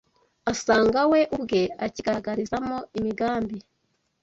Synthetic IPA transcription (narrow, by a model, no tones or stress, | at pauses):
asaːŋɡawe̞ʔubɡe̞aciɡaɡaɾizamoimiɡaːmbi